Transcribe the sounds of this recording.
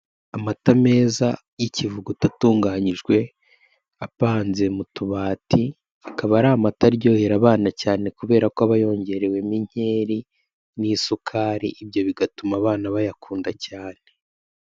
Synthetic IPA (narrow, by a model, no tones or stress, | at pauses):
amatame̞ːza | jicivuɡutatuːŋɡaːɲiʒɡwe̞ | apaːnze̞mutuβaːti | akaβaɾamataɾɟo̞ːheɾaβaːnacaːne̞kuβe̞ːɾakoaβajo̞ːɲɟe̞ɾewe̞miɲ̥e̞ːɾi | nisukʰaːɾiʔibjo̞βiɡatumaβaːnaβajakʰuːndacaːn̥e̞